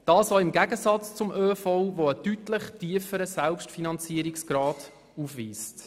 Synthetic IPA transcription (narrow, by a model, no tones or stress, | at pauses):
d̥ɑːsɔɪmɡæɡəsɑt͡st͡sʊmʔøːfɔʊvoətytləχtiəfəɾəsælpʃtfinɑnt͡siəɾiksɡ̥ɾɑːd | ufʋiːst